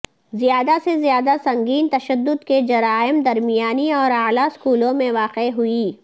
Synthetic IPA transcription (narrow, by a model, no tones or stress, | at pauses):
zijaːd̪asezijaːd̪asɐ̃ŋɡiːnt̪ɐʃəd̪ːʊd̪ked͡ʒɐɾaːɪmd̪ɐɾmijaːniɔːɾaːlaskuːlõmẽʋaːqeɦʊiː